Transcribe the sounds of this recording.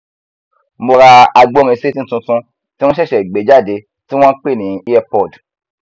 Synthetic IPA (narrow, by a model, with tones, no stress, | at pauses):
mo˧ɾa˧a˧ɡ͡bɔ˦ɾ̃ĩ˧se˦ti˦˨tũ˧tũ˧ | tĩ˦ɔ̃˦ʃɛ˦˨ʃɛ˨i˨ɡ͡be˨˦d͡ʒa˦˨de˨˦ | ti˦w̃ɔ̃˦k͡pe˦˨nĩ˨˦i˦ɛ˧pɔ˨d